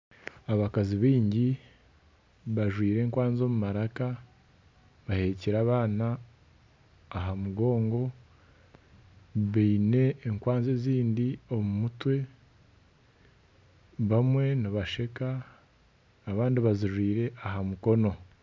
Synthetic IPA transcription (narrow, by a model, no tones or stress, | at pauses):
aβakaziβiːɲɟi | βaʒwiːɾe̞ːŋkwaːnzomumaɾaka | βahe̞ciɾaːβaːna | ɦamuɡo̞ːŋɡo̞ | βiːne̞ːŋkwaːnzeziːndio̞mumutwe̞ | βamwe̞niβaʃe̞ka | βaːndiβaziʒwiːɾe̞aɦamuko̞no̞